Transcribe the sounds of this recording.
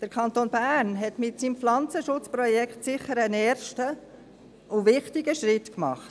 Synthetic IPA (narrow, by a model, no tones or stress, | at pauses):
d̥əɾkʰɑnt̪oːnbærnɦɛtmɪtsiːmflɑnt͡səʃʊt͡spɾɔjɛkχtsɪχəɾənɛːɾʃtə | ʊʋɪχtɪɡəʃɾɪtkmɑ̰χt